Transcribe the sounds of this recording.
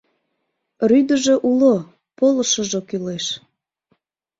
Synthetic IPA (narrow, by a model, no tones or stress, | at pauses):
ryd̪əʒoʔulo | poləʃəʒokyleʃ